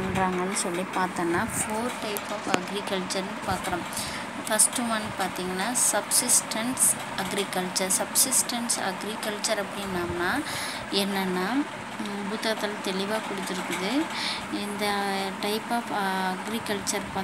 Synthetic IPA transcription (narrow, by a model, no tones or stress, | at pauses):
ɳɾaːŋɡɐnːɯsɔlːipaːɾt̪ɐːnːaːfoːɾʈɐɪpɔːfɐɡɾɪkɐlt͡ʃɐɾnɯpaːɾkɪɾõː | fɐsʈɯmaːnːɯpaːɾt̪iːŋɡɐnːaːsɐbsɪsʈɐɳs | ɐɡɾɪkɐlt͡ʃɐɾsɐbsɪsʈɐɳsɐ̰ɡɾɪkɐlt͡ʃɐɾɐpːɐɽɪnːaːmnaː | ɛnːɐnːaː | bʊt̪ːɾɐt̪ːɪlt̪ɛɭɪʋaːkʊɽɯt̪ːɪɾɯkːɯðɯ | ɪnd̪ɐʈɐɪpɔːfɐɡɾɪkɐlt͡ʃɐɾpaː